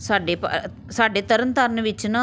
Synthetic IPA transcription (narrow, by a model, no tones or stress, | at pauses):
saːɖeːpə̰ | saːɖeːt̪əɾənt̪əɾənʋɪt͡ʃnãː